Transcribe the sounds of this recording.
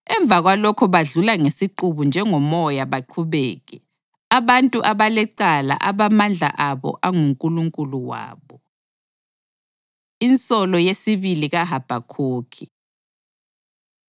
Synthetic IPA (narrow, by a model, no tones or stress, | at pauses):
ɛɱb̪vʱaɣwalɔkʰɔβaɮulaŋesiǃuβund͡ʒʱɛŋɔmɔjaβaǃʰuβɛːɣɛ | aβantʼuʔaβalɛǀala̰ʔaβamand͡ɮʱa̰ʔaβɔ̰ʔaŋuŋkʼuluŋkʼuluwa̰ːβɔ | int͡sʼɔlɔjesiβiliɣaɦab̥ʱakʰoːkʰi